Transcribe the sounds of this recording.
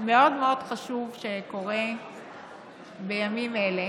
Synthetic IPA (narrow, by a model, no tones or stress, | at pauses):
me̞o̞dme̞o̞d̥χaʃuvʃeko̞ʁe | bejamimele